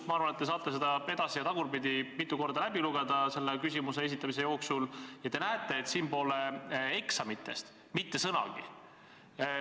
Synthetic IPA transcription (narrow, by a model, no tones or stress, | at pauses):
mɑɑrvɑnet̪ːes̬ɑːt̪ˑlesed̪̥ɑed̪̥ɑsijɑt̪ɑɡuɾpid̪imit̪ːˑuko̞rd̪ɑlæbiluɡ̥ed̪ɑse̞lːekysʲimuse̞e̞s̬it̪ːˑɑmis̬e̞jo̞ːksuljɑt̪e̞næet̪ˑːe̞ːt̪siːmpo̞ːlee̞ksɑmit̪ːˑest̪ | mit̪ːe̞sɤnɑ̰ɡ̥i